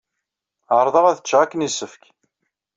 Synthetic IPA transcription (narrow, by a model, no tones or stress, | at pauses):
ʕəɾˤðˤəʁæθət͡ʃːʁækːənisːəfk